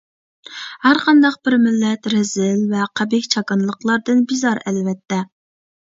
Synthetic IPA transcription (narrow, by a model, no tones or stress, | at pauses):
hæɾqʰɑnd̪ɑq̚bɪɾmɪlːɛt̪ɾɛzɪlvɛqʰæbɪkʲt͡ʃʰɑkɨnlˠəqlˠɑɾd̪ɨnbizɑɾɛlvɛt̪ːɛ